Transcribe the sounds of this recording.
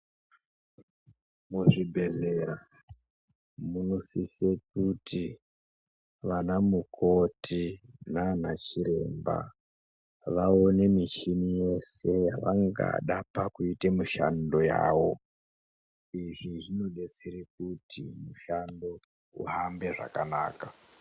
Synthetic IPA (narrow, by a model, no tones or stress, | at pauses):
muʐibʱe̞ze̞ɾa | muno̞sisek̚uti | ʋanamukʰo̞tʰinanat͡ʃiɾe̞̰mba̰ | ʋao̞ne̞mit͡ʃinije̞se̞jaʋaŋɡa̰ɗapakuitemiʃa̰ndo̞ja̰ːʋo̞ | iʐiʐino̞ɗesiɾik̚utʰimuʃando̞ | ṵɦambe̞ʐa̰kana̰ːka